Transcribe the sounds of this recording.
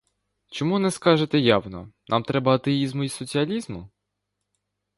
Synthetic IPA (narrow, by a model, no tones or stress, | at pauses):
t͡ʃɔmunɛskɑʒet̪ɛjɑwnɔ̰nʔɑ̰mt̪ɾɛbɐɐt̪ɛizmʊisɔt͡sʲiɐlʲizmʊ